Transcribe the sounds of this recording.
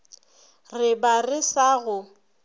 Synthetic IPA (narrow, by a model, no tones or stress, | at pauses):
rɪbarɪsaɣʊ